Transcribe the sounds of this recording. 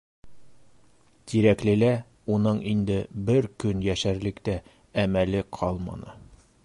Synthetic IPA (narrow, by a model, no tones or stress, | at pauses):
t̪iɾæklɘ̆læ | unɤɴind̪ɘbɘɾkɵnjæʃæɾlɘ̆kt̪æ | æmælɘqʰɒlˠmɑ̰nɤ̰